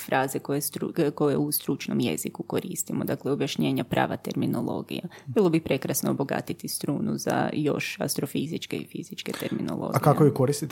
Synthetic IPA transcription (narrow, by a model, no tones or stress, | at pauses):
fɾʔaːzekojest̪ɾuko̞jeust̪ɾut͡ʃno̞mjḛzikuko̞ɾiːst̪imo̞d̪aklˠeobjaʃɲe̞ːɲapɾa̰ːʋat̪e̞ɾmino̞lˠo̞̰ːɡḭjabilˠo̞bipɾe̞kɾasnooboɡa̰t̪it̪ist̪ɾuːnuza̰jo̞ʃa̰st̪ɾo̞fizit͡ʃke̞ifizit͡ʃke̞t̪eɾmino̰lˠo̞̰ːɡika̰ojikoɾist̪it̪